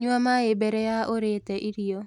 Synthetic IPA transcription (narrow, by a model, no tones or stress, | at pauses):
ɲamaɪbɛɾɛjaoɾetɛʔiɾijo